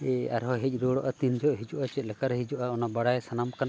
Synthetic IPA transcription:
a̰ɾɦɔɦɛc̚ˀɾɔɽɔʔat̪ind͡ʒɔʔɦid͡ʒuʔat͡ʃɛt̪̚lɛkaɾɦid͡ʒɔʔaɔnabaɽajsanamkan

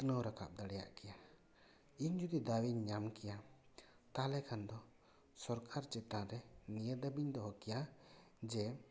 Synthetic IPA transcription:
t̪nəwɾakʰa̰p̚d̪əɽɛja̰ʔkɛja | iɲd͡ʒud̪id̪awiɲɲamkɛja | t̪alɛkʰand̪ɔ | sɔɾkʰaɾt͡ʃɛt̪ãɾɛnijəd̪əbiɲd̪ɔɦɔkɛjad͡ʒɛ

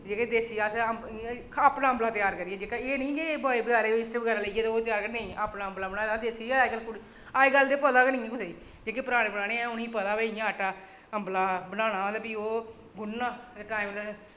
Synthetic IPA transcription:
d͡ʒeːkad̪eːsiaːs | aːpnaːɦəmblaːt̪ɪjaːɾkəɾijɛːd͡ʒeːkaeːnĩːkebaːibəɡaːɾeːɪsʈebəɡɛːɾaːləiɡeːt̪ːoːt̪ɪjaːɾkəɾnĩːʔaːpnãːɦəmblaːbənaːd̪ãd̪eːsiaɡəlkʊ | aːeɡəld̪eːpəd̪aːkːnĩːãːkʊseːiː | d͡ʒeːkepəɾaːɽ̃ẽːbəɽaːɽ̃eːɛ̃ʊnĩːpəd̪aːbeɪjãːəʈaː | əmblaːbənaːnaːd̪abiːoː | ɡʊnːãːʈaːiml

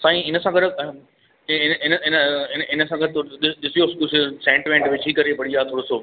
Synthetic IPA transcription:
sãːĩɪnə̆sãɡɐɾ | ɪnɪnəɪnəɪnɪnəsãːɡɐɾɗɪɗɪsijoskʊsesẽːɳʈɪmẽɳʈʋɪt͡ʃʰɦikɐɾepɐɽiaːt̪ʰoːɽosoː

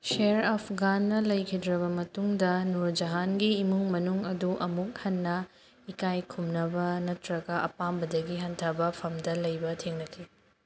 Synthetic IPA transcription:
seɾɔpʰɡanːɐlɐjkʰidɾɐβɐmɐtuŋdɐnuɾd͡ʒɐɦanɡiːmuŋmɐnuŋɐduʔɐmuk̚hɐnːɐ | ikajkʰumnɐbɐnɐtɾɐɡɐʔɐ̰pambɐdɐɡiɦɐntʰɐbɐpʰɐmdɐlɐjbɐtʰiŋnɐkʰi

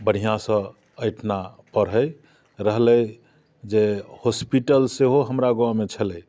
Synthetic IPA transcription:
bəɽ̤ijãsə̃ | əjʈʰna | pəɾɦəj | ɾəɦləj | d͡ʒehospiʈəlseɦoɦəmɾaɡoãmet͡ʃʰələ

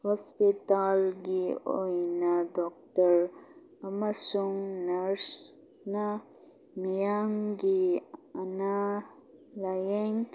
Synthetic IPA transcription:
hɔspit̪alɡio̰jnadɔk̚təɾ | ɐmɐsuŋnɐɾs | na | mijaŋɡiɐna | lajeŋ

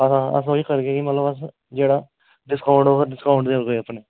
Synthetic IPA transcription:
əsãːə̰s̬oːiːkəɾɡeːkimət̪ləbəs | d͡ʒeːɽaː | ɖɪskaːʊɳɖoːkəɾɖɪskaːʊɳʈd̪eːɡoəpneː

